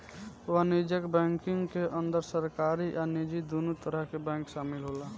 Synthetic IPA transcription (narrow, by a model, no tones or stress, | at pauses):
ʋanid͡ʒəkbɛ̃ŋkɪŋɡkeʔənd̪əɾsəɾkaɾiʔanid͡ʒid̪onut̪əɾəɦkebɛ̃ŋkʃaːmɪlɦola